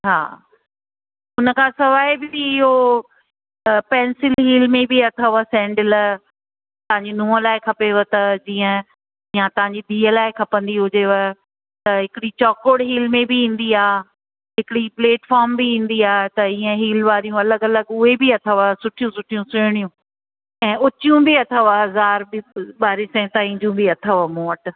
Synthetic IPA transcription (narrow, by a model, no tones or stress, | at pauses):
ɦa̰ː | ʊnəkʰãːsɐʋaːɪbɪiɪɦo | pɛ̃ːnsɪlɦiːlmẽbiɐt̪ʰəʋəsɛ̃ːɳɖɪl | t̪ɐʋãɲd͡ʑinũːə̃laːɪkʰɐpeʋət̪ɐd͡ʑiːə̃ | jãt̪ɐʋ̤ãɲd͡ʑid̪ʱiːəlaːɪkʰɐpə̃nd̪iɦʊd͡ʑeʋə | t̪ɐɦɪkɪɽit͡ɕɔːkoːɽɦiːlmẽbiĩːn̆d̪iaː | ɦɪkɪɽipleːʈfɔːɾmbiĩːn̆d̪iaːɦt̪ɐiːə̃ɦiːlʋaːɾijũɐləɡɐləɡʊɦebiɐt̪ʰəʋasʊʈʰijũsʊʈʰijũsɪɽ̃ijũ | ɛ̃ːʊt͡ɕijũbiɐt̪ʰəʋaɦɐzaːɾbɪɓaːɾɪsɛ̃t̪aːĩːɲd͡ʑũbiɐt̪ʰəʋmoːʈ